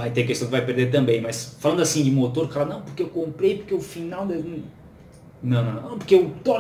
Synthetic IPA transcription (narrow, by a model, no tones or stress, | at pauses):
vajt̪eɾkestɐ̃w̃d̪vajpeɾd̪eɾt̪ɐ̃mbẽj̃mɐsfalɐ̃nd̪asĩd͡ʒ̪ɪmot̪oɾkfalanɐ̃w̃pʊɾkeewkõmpɾejpoɾkeʊfinawd̪ɛmĩ | nɐ̃w̃nɐ̃nɐ̃p̬ʊɾkeewt̪ɔ